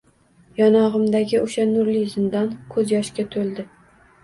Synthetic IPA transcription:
jɒnɒʁɨmd̪aɡʲɪʔʊʃanʊɾlizɪnd̪ankʰɵzjɒʃkʲat̪ʰolˠd̪ɪ

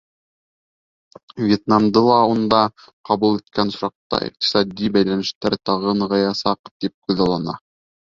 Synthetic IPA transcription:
vjet̪̚nɑmd̪ɤlˠɑund̪ɑ | qɑβulˠit̪̚kʰænsɾɑq̚t̪ɑ̰ḭq̚t̪i̥sɑd̪ʲibæjlænɘ̆ʃt̪æɾt̪ɑʁɤnʁɑjɑsɑqt̪ip̚kʉðɑlˠɑnɑ̰

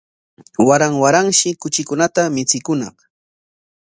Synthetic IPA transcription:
waɾaŋwaɾaŋʃɪkʊt͡ʃɪkʊnat̪amɪt͡sɪkʊnɑ̰χ

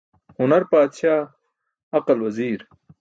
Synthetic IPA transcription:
hʊnɐɾpaːd̪ɕaː | ɐqɐlwɐziːɾ

